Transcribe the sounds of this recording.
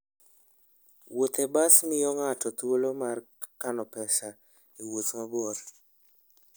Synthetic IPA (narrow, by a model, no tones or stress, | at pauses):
wot̪ɛbasnɪjɔŋatɔt̪wolomar | kanɔpɛsa | iwot̪ŋabɔɾ